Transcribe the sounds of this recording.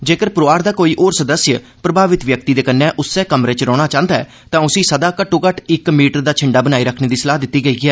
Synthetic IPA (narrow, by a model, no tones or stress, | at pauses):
d͡ʒeːkəɾpɾoːaːɾd̪aːkoːiːʔoːɾsəd̪əsjə | pɾəbʱaːʋɪt̪ʋjək̚t̪iːd̪eːkənːɛ̃ːʔʊsːɛːkəmɾeːt͡ʃɾɔːɽ̃aːt͡ʃãːnd̪aɛ̰ː | t̪ãːʊsĩːsəd̪aːkəʈõːkəʈʰɪkmiːʈəɾd̪aːt͡ʃʰɪɳɖaːbənaːiːɾəkʰneːd̪iːsəlaːd̪ɪt̪ːiːɡəiːɡɪɛː